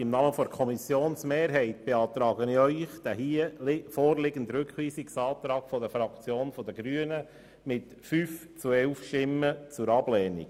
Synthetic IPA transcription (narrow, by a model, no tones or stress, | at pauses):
ɪmnɑːməfɔɾkʰɔmisjoːnsmeːɾɦɛɪt̚b̥eɑːt̪ɾɑːɡənœʏχd̥̪æhiəlfɔːrlɪɡən̩dɾʉkχʋiːsiksɑːt̪ɾɑːɡ̥fɔdəfɾɑkt͡sjoːnfɔd̪əɡɾyənə | mɪt | fyːft͡suɛlfʃtɪmːət͡sʊɾɑblɛːnḭ̥